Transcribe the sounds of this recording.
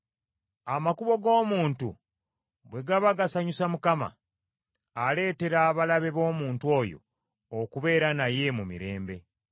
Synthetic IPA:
amakuβo̞ɡo̞ːmuːntṵ | βwe̞ɡaβaɡasaɲusamukama̰ː | le̞ːte̞ɾaːβalaβe̞βo̞ːmuːntuo̞jo̞̰ː | kuβe̞ːɾanaje̞mumḭɾe̞ːmbe̞

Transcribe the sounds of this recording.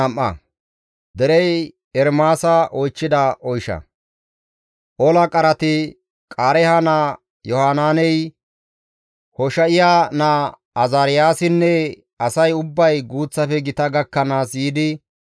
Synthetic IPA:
ɐmʔːɐ̰ | d̪ɛɾɛj | ɛɾmaːsɐʔɔjt͡ʃːɪd̪ɐʔɔjʃɐ̰ | ʔɔlɐkʼɐɾɐt̪ɪ | kʼaːɾɛhɐnaː | jɔhaːnaːnɛj | hɔʃɐɪjaːnaː | ɐzaːɾɪjaːsɪnːɛ | ɐsɐjʊbːɐjɡuːt͡sːɐfɛɡɪt̪ɐɡɐkːɐnaːsjiːd̪ɪ

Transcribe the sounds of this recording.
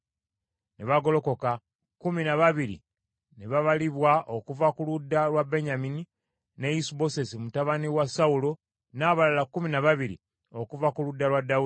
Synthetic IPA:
neβaɡo̞lo̞ko̞ka | kuminaβaβiɾḭ | neβaβaliβwaʔo̞kuvakuludːalwabe̞ɲamini | ne̞jisubo̞se̞simutaβaniwasaulo̞ | naːβalalakːuminaβaβiɾḭ | okuvakuludːalwadau

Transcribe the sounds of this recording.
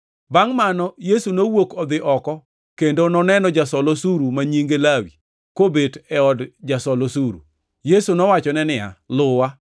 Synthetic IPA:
baŋmanɔjesunowokɔd̪ɪʔɔkɔ | kendonɔnɛnɔd͡ʒasɔlosuɾumaɲiŋɡelawi | kobedɛɔdd͡ʒasɔlosuɾṵ | jesunɔwat͡ʃɔnɛnɪa̰lʊwa

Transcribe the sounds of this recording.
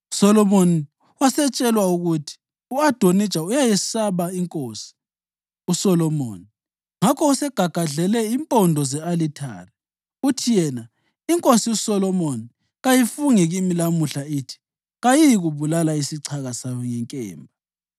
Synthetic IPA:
u̥sɔlɔmoni | wasɛt͡ʃʼɛlwauɣutʰi̥ | uad̥ʱonid̥t͡ʃʼaujajisaβaiŋkʼoːsi̥ | usɔlɔmo̰ːni | ŋakʰɔusɛɡ̥ʱaɡ̥ʱaɮɛlɛimpʼɔndʱɔzɛalitʰa̰ːrɛ | utʰijɛna | iŋkʼosiusɔlɔmoni | ɣajifuŋiɣimilamuɬaitʰi̥ | ɣajijiɣuβulalaisiǀʰaɣasajɔŋɛŋkʼɛ̰ːmbʱa

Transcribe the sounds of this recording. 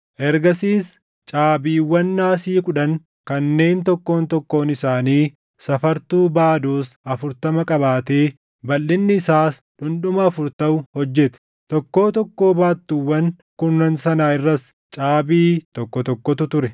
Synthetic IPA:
ʔɛɾɡɐsiːs | t͡ʃʼaːbiːwːɐnːaːsiːkʊᶑɐŋ | kɐnːe̞ːnt̪ɔkːo̞ːnt̪ɔkːo̞ːnɪsaːniː | sɐfɐɾt̪uːbaːd̪oːsɐfʊɾt̪ɐmɐkʼɐbaːt̪e̞ː | bɐlːɪnːɪːsaːsᶑʊnᶑʊmɐːfʊɾt̪ɐʊhɔd͡ʒːɛt̪ɛ̥ | t̪ɔkːo̞ːt̪ɔkːo̞ːbaːt̪ːuwːɐn | kʊnːɐnsɐnaːɪrːɐs | t͡ʃʼaːbiːt̪ɔkːɔt̪ɔkːɔt̪ʊt̪ʊɾɛ

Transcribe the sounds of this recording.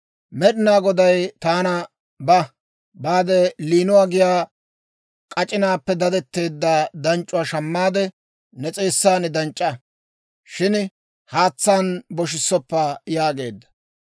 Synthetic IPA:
mɛɗɪnaːɡɔd̪ɐjt̪aːnɐ | bɐ | baːd̪ɛliːnʊwaːɡɪjaː | kʼɐt͡ʃʼɪnaːpːɛd̪ɐd̪ɛt̪ːe̞ːd̪ːad̪ɐnt͡ʃʼːʊwaːʃɐmːaːd̪ɛ | nɛt͡sʼe̞ːsːaːnɪd̪ɐnt͡ʃʼːɐ | ʃɪn | haːt͡sːaːnbɔʃ̬ɪsːɔpːajaːɡe̞̰ːd̪ːɐ̥

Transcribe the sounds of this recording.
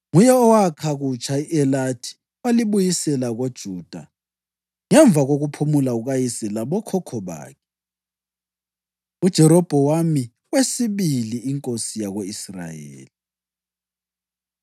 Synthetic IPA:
ŋujɛɔwakʰaɣut͡ʃʰʼaiʔɛlatʰi̥ | waliβujisɛlaɣod̥ʒ̥ʱuːd̥ʱa̰ | ŋɛɱb̪vʱaɣoɣupʰumulauɣajisɛlaβɔkʰɔkʰɔβa̰ːkʰɛ | ud̥ʒ̥ʱɛɾɔb̥ʱɔwami | wesiβiliːŋkʼosijaɣoisra̰jḛːli

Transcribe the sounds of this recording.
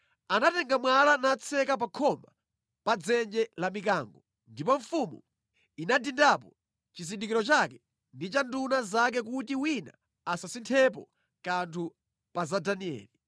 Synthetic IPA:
anatɛŋɡamwalanat͡sʰɛkap̬akʰɔma | pad͡zɛnd͡ʒɛlamikaːŋɡɔ | ndipɔɱfumṵ | inadindap̬ɔ | t͡ʃizindikiɾɔt͡ʃakɛ | ndit͡ʃandunazak̬ɛk̬utiwina̰ː | sasintʰɛp̬ɔ̰ | kantʰu | pazadaniɛ̰ːli

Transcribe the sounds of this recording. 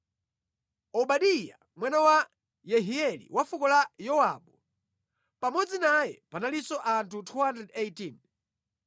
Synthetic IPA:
ɔɓaɗija̰ | mwanawa | jɛɦiɛlḭwafukɔlajɔwa̰ɓɔ | pamɔd͡zinajɛpanalisɔʔantʰutʰuhandrɛdejtin

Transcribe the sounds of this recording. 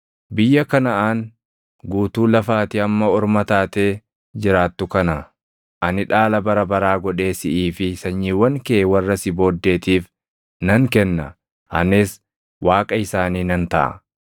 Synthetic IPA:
bɪjːɐkɐnɐʔaːn | ɡuːt̪uːlɐfaːt̪ɪɐmːɐɔɾmɐt̪aːt̪eː | d͡ʒɪɾaːt̪ːʊkɐnɐ | ʔɐnɪᶑaːlɐbɐɾɐbɐɾaːɡɔᶑe̞ːsɪʔiːfɪsɐɲːiːwɐŋkɛwɐrːɐsɪbo̞ːd̪ːe̞ːt̪iːf | nɐŋkɛnːɐ | hɐ̰nɪs | waːkʼɐɪsaːniːnɐnt̪ɐʔɐ̰

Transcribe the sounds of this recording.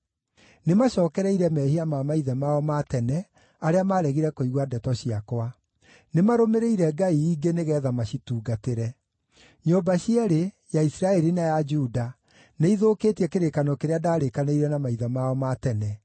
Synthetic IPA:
nemaɕɔːkɛɾɛiɾɛmɛhiamamaiðɛmaɔmatɛnɛ | aɾeamaːɾɛɣiɾɛkoiɣwadɛtɔɕiakwa | nemaɾomeɾeiɾɛɡaiːɡeneɣɛːðamaɕituːɡateɾɛ | ɲoːbaɕiɛɾe | jaisiɾaɛɾinajad͡ʒuda | neiðokeːtiɛkeɾekanɔkeɾeadaːɾekaneiɾɛnamaiðamaɔmatɛnɛ

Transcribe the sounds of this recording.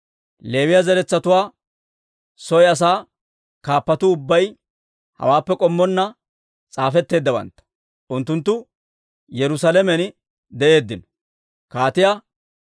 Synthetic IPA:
le̞ːwɪjɐzɛɾɛt͡sːɐt̪ʊwaː | sɔjɐs̬aː | kaːpːɐt̪ʊʊbːɐj | hɐ̰waːpːɛkʼɔmːɔnːɐ | t͡sʼaːfɛt̪ːe̞ːd̪ːɐbɐ̰nt̪ːɐ̥ | ʔʊnt̪ːʊnt̪ːʊ | jɛɾʊsalɛmɛn | d̪ɛʔe̞ːd̪ːɪnɔ̥ | kaːt̪ɪja

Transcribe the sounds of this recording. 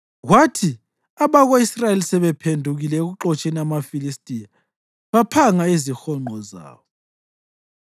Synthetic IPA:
ɣwatʰi | aβaɣoisrajelisɛβɛpʰendʱuɣilɛeɣuǃɔt͡ʃʼeniamafilistʼija | βapʰaŋaezixɔŋ͡ǃʱɔza̰ːβɔ

